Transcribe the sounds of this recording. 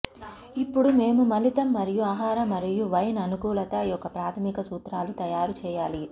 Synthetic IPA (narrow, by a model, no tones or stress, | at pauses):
ipːuɽume̞ːmumɐlit̪ɐmːɐɾijuaːɦaːɾɐmɐɾijuʋɐjnɐnukuːlɐt̪ɐijɔkːɐpɾaːt̪ʰɐmikɐsuːt̪ɾaːlut̪ɐjaːɾut͡ʃɛːjaːli